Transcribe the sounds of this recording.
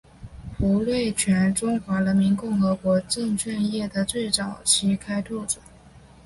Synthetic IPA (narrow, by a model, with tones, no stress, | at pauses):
pu˧˥lwe˥˩ɪt͡ɕʰɥɛ˧˥nʈ͡ʂʊ˥ŋxwa˧˥lə˧˥nmi˧˥nkʊ˥˩ŋxɤ˧˥kwɔ˧˥ʈ͡ʂɤ˥˧ŋt͡ɕʰɥɛ˥˧njɛ˥˩d̪ə˩t͡swe˥˩ɪt͡sɑ˨˩ʊt͡ɕʰi˥kʰa˥ɪt̪ʰɔ˥˩ʈ͡ʂə̥˨˩˦ŋ